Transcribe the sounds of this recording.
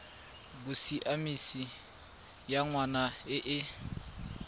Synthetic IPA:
bʊsiʔamisi | jaŋwanaɪʔɪ

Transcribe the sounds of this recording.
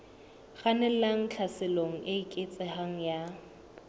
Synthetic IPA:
χanɛaŋ̩t͡ɬʰasɪloŋ̩ʔeikʼɪt͡sʼɪhaŋ̩ja

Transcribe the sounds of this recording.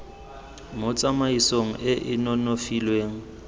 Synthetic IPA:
mot͡sʼamaisoŋ̩ʔɪʔɪnɔnofilweːŋ̩

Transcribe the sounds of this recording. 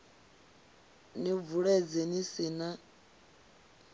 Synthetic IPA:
nivuɺɛd͡zɛnisina

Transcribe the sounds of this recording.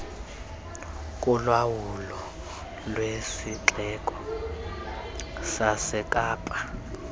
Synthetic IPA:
kʼulwawulɔ | lwesiǁɛkʼɔ̥ | sasɛkʼaːpʼa

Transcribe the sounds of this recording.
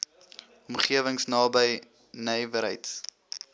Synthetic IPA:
ɔmχiəvəŋsnɑːbəj | nɛjvəɾə̰jts

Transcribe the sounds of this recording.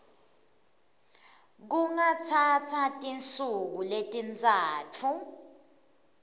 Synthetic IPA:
k̬uŋat͡sʰatʰatʼint͡sʼuk̬uletʼint͡sʼaːtʰu

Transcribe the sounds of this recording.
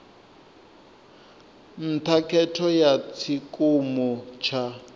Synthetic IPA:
n̩tʰakʰɛtʰɔjat͡sʰikʼumɔt͡ʃʰa

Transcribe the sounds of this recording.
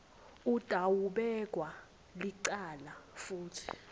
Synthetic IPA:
ud̥ʼʱawuɓɛkʼwa | liǀaːlafuːtʰi̥

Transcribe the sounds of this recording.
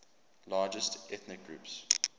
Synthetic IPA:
lɑːd͡ʒəstɛθnɪk̚ɡɹṵːps

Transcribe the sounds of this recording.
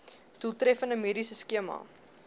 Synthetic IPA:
tulˠtɾɛfəndəmiɾisəskiəmɐ̰

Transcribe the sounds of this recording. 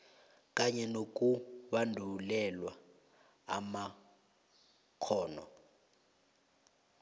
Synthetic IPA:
k̬ʼaɲɛnok̬ʼuɓandʱulɛlwa | ama | kʰɔːnɔ̰

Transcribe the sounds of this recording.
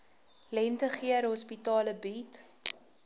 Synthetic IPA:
lɛntəχiəɾɦɔspitɑːləbiːt

